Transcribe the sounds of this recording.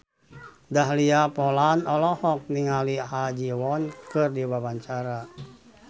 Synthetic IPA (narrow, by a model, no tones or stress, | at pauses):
daɦliapɔlanɔlɔhɔk̚niŋalihad͡ʒiwɔnkɨrdiwabaɲt͡ʃaɾa